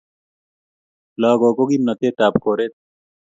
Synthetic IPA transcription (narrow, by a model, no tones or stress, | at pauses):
laːɡoːkoɡimnɐt̪eːʈ̪aːpkoːɾet̪̚